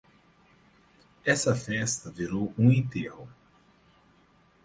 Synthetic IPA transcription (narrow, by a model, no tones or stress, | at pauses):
ɛsɐfɛst̪ɐviɾowũĩt̪ehʊ